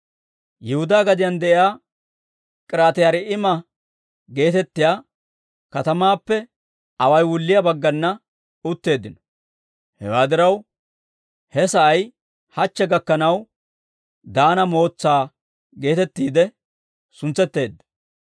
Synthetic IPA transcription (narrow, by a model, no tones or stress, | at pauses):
jɪhʊd̪aːɡɐd̪ɪjɐnd̪ɛʔɪjaː | kʼɪɾaːt̪ɪjaːɾɛʔɪmɐ | ɡe̞ːt̪ɛt̪ːɪjaː | kɐt̪ɐmaːpːɛ | ɐwɐjwʊlːɪjɐbɐɡːɐnːɐ | ʊt̪ːe̞ːd̪ːɪnɔ̥ | hɛ̰waːd̪ɪɾɐw | hɛsɐʔɐj | hɐt͡ʃːɛɡɐkːɐnɐw | d̪aːnɐmo̞ːt͡sːaː | ɡe̞ːt̪ɛt̪ːiːd̪ɛ | sʊnt͡sːɛt̪ːe̞ːd̪ːɐ̥